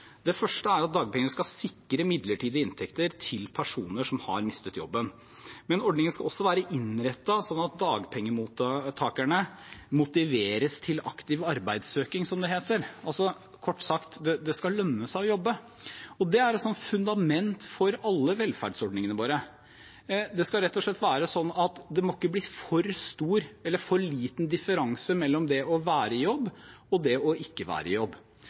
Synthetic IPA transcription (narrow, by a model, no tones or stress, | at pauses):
d̪ɛfœʂʈəæɾɑt̪̚d̪ɑːɡ̚pʰɛŋənəskɑsɪkːɾəmɪd̪ləʈʰiːd̪əɪnt̪ʰɛkt̪əɾt̪ʰɪlpʰæʂuːnəʂɔmhɑ̰ɾmɪst̪ət̪jɔ̰bːən | mɛnɔɖɳɪŋənskɑɔsːɔʋæːɾəʔɪnɾɛt̪ːɑsɔnːɑt̪̚d̪ɑːɡpʰɛŋːəmuːt̪t̪ʰɑːkæɳəmʊt̪ɪʋeːɾəst̪ʰɪlɑ̰kt̪ɪʋɑɾbæɪd̪søːkɪŋsɔmd̪ɛɦeːt̪əɾɑlsɔ | kʰɔʈːsɑkt̪d̪ɛd̪ɛskɑlːœnːəsæɪɔjɔbːə | ɔd̪ɛæɾɛt̪sɔnt̪fʉnd̪ɑmɛnt̪fɔɾɑlːəʋɛlfæ̰ɖsɔɖnɪŋənəʋoːɾə | d̪ɛskɑɾɛt̪ːɔʂɭɛt̪ːʋæːɾəsɔnːɑt̪d̪ɛmɔkːəbliːfɔɾst̪uːɾɛlːəɾfɔɭiːt̪ən̩d̪ɪfəɾɑŋsəmɛlːɔmd̪ɛɔʋæːɾəɪjɔbːɔd̪ɛɔʔɪkːəʋæ̰ːɾəɪ̰jɔbː